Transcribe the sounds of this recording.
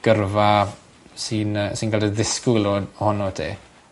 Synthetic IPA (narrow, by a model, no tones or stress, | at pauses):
ɡ̥ərva | siːnəsinkʰɛldəðɪskuwlˠɔdhɔnɔtʰḛː